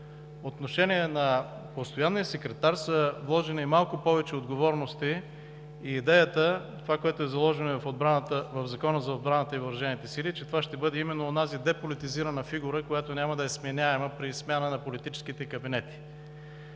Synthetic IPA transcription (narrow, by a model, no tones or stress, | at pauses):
ot̪noʃɛniɛnɐ | post̪ojanːijəsɛkɾɛt̪aɾsəvlˠɔʒɛniimalˠkʊpɔvɛt͡ʃɛod̪ɡovɔɾnost̪iː | d̪ɛjət̪ə | t̪ovakojɛt̪oɛzɐlˠɔʒɛnovfod̪bɾat̪əvɐvzɐkɔnəzɐod̪bɾanət̪əivəɾɐʒɛnit̪ɛsilit͡ʃɛt̪ovaʃt̪ɛbɤd̪ɛimɛnːoːnazid̪ɛpolit̪iziɾɐnəfiɡuɾəkojat̪onʲaməd̪ɐɛsmɛnʲaɛməpɾismʲjanənɐpolit̪it͡ʃɛ̥skit̪ɛkɐbinɛt̪i̥